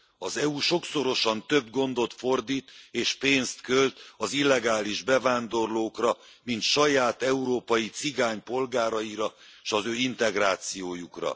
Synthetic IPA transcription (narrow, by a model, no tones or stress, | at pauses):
ɒzɛuːʃo̞kso̞ɾo̞ʃɒnt̪ø̞bɡo̞nd̪o̞t̪fo̞rd̪iːt̪eːʃpeːnst̪kølt̪ɒzilːɛɡaːliʒbɛvaːnd̪o̞rloːkrɒmint̪ʃɒjaːt̪ɛuɾoːpɒjit̪siɡaːɲpo̞lɡaːɾɒiɾɒʃɒzøːint̪ɛɡraːt̪sijoːjukrɒ̰